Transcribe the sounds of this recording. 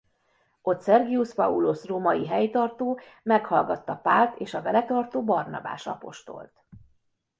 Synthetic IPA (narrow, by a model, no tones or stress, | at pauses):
o̞t̪sɛrɡiuspɒulosroːmɒjiɦɛjt̪ɒrt̪oːmɛkhɒlɡɒt̪ːɒpaːlt̪eːʃɒbɛlɛt̪ɒrt̪oːbɒrnɒ̰ba̰ːʃɒ̰po̞̰ʃt̪o̞̰lt̪